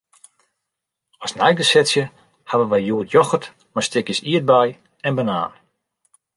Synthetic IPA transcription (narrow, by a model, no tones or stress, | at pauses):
ɔsnɛjɡəsɪtsjə | haʋənʋɛjjuətʰjɔxət | mastɪkjəsiət̚bɛj | ɛnbəna̰ːn